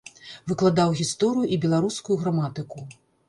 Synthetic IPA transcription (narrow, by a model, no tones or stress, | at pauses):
vɨklˠad̪awɣʲist̪ɔɾɨjuʔibʲɛlˠaɾuskujuɣɾamat̪ɨku